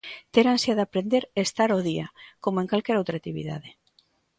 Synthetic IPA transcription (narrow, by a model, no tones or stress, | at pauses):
t̪eɾansjaðapɾend̪eɾest̪aɾoðiakomoeŋkalkɛɾowt̪ɾat̪iβḭða̰ðe